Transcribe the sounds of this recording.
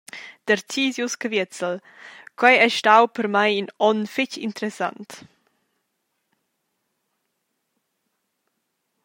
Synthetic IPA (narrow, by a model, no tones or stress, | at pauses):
d̪̥əɾt͡siːzjuskəvət͡səl | kwajɛʃtawpəɾmajinɔnfɪcḭnt̪əɾɛsa̰nt̪